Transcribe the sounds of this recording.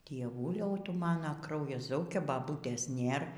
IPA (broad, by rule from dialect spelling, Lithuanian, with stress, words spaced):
dʲiɛˈʋʊlʲɛʊ ˈtʊ ˈmɑːnɐ ˈkrɐʊjɛs ˈzɐʊkʲɛ bɐˈbuːtʲeːs ˈnʲeːr